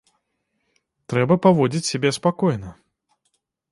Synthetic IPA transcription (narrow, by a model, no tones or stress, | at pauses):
t̪ɾɛbɐpavɔd͡zʲit͡sʲsʲabʲɛspakɔjnɐ